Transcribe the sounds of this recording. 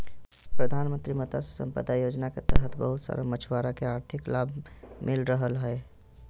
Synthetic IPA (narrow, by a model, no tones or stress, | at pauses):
pɾəd̪ʱanmə̃nt̪ɾimət̪asesə̰mpə̰d̪ajod͡ʒnaket̪ə̰ɦət̪bəɦut̪sa̰ɾəmət͡ʃʰwaɾakeaːɾt̪ʰɪklabʱmɪlɾəɦəlɦəe